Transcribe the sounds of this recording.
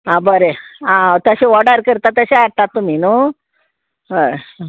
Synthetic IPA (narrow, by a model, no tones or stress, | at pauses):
ɦãbəɾeãt̪əɕeʋɔɽaɾkəɾt̪at̪əɕeaɽt̪at̪ːuminu